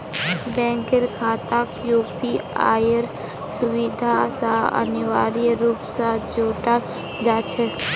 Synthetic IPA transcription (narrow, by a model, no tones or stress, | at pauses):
bɛ̃ːŋkɪɾkʰaːt̪akjuːpia̰ːjəɾ | sʊwid̪ʱasaə̰nɪwaːɾijɾuːpsad͡ʒoːʈa | d͡ʒaːt͡ʃʰɛ